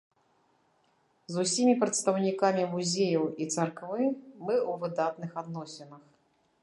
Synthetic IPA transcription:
zusʲimʲipɾɐt̪st̪ɐwnʲikamʲimuzʲejɐwit̪sɐrkvɨmɨwvɨd̪at̪nɨxad̪nɔsʲɛnɐx

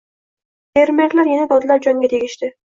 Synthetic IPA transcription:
eɾmækʲlæɾjenɛb̪ɒd̪ɨlˠɑɾd͡ʒɒŋɡʲɛt̪ʰeɡʲɪʃt̪ɪ

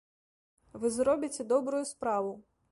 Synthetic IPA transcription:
ʋɪzɾɔbʲɪtʲɛd̪ɔbɾʊjʊspɾɑʋʊ

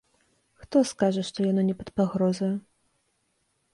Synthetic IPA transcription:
xt̪ɔskaʐɐʂt̪ɔjanɔnʲɛpɐt̪paɣɾɔzɐjɛ

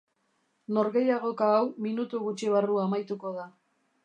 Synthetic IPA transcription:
no̞ɾɣe̞jaɣo̞kaːwminut̪uɣut͡ʃiβ̞aruamajt̪uko̞ða

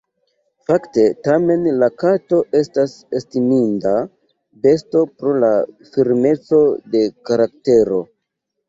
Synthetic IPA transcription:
fakte̞tame̞nlakato̞ʔe̞stasestiminda | be̞sto̞pɾola | fiɾme̞t͡so̞de̞kaɾakte̞ɾo̞

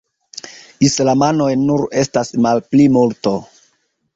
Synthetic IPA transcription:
islamano̞jnuɾe̞stasmalplimulto

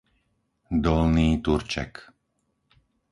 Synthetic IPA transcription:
d̪ɔlniːt̪uɾt͡ʃɛ̰k

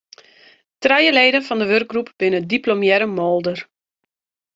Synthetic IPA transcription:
trɛjəleːdəfɔndəʋørk̚ɡrupb̥ɪnədiplomjɛɾəmɔlˠdər

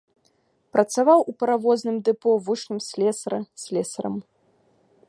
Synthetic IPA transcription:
pɾɐt̪savawʔupɐɾavɔznɨmd̪ɨpɔvut͡ʂnɨmsʲlʲɛsɐɾɐsʲlʲɛsɐɾɐ̰m

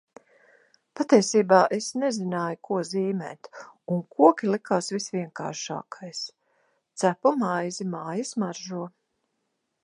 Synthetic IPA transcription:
pat̪iɛsiːbaːʔesnɛzinaːjukuɔziːmɛ̰ːt̪unkuɔkʲilˠikaːsvisviɛŋka̰ːɾʃa̰ːkʰajs | t̪sæpɔmajzimaːjɐsmaɾʒuɔ

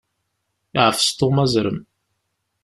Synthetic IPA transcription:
iʕəfə̥st̪omæzɾəm

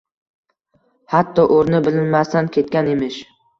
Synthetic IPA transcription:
hat̪ʰːɒʔoɾnɪbɪlɪnmast̪ankʲʰe̞t̪kʲanemɪʃ

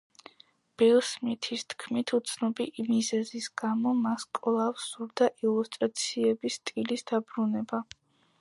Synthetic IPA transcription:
b̥ɛlsmit̪ʰist̪ʰkʰmit̪ʰut̪sʰnɔbimizɛzisɡamɔmaskʼɔlˠafsuɾd̪aʔilˠust̪ʼɾat̪sʰiɛbist̪ʼilisd̪abɾunɛba

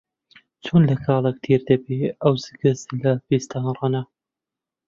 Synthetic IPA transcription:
t͡ʃʰunlɐkʰɑːlˠek̚t̪ʰiːɾd̪ɐbeːɐwzɨɡɨzlɐbist̪ʰanrˤɑnɐ

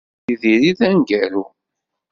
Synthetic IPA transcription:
iðiɾiðænɡæɾu

